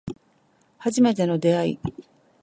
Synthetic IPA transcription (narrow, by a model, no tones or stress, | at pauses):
haʑime̞t̪e̞no̞d̪e̞aḭ